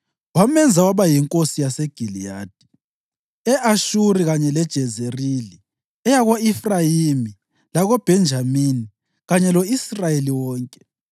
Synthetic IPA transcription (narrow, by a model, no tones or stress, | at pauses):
wamɛnd͡zʱawaβajiŋkʼosijasɛɡ̥ʱilijaːd̥ʱi̥ | ɛʔaʃuɾiɣaɲɛlɛd̥ʒ̥ʱɛzerili | ɛjaɣoifrajimi | laɣob̥ʱɛnd͡ʒʱamini | ɣaɲɛlɔisrajeliwɔːŋkʼɛ̥